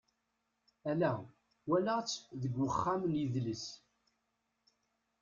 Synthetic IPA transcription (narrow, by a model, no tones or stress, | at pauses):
ælæ | wælat͡sːðəɡwəχːamnjiðləs